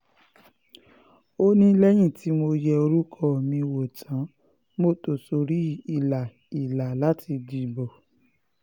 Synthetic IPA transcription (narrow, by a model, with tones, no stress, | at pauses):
o˦nĩ˦lɛ˦j̃ĩ˦˨ti˨˦mo˧jɛ˧o˧ɾu˦kʰɔ˧˨mĩ˧wo˨tʰã˨˦ | mo˦˨to˨so˧ɾi˦i˦˨la˨ | i˨la˨la˨˦tʰi˧di˧˨bɔ˨